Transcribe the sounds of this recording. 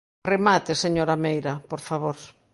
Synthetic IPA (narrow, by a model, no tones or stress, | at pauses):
remat̪eseɲoɾamejɾɐpoɾfaβoɾ